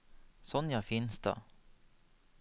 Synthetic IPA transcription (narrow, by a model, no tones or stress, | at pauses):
sɔnːjɑfɪnsd̪ɑ̰